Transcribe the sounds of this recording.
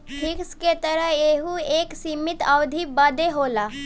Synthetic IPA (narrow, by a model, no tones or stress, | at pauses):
hʰɪksket̪əɾəɦeːɦueːksimɪt̪awd̪ʱibəd̪eɦoːla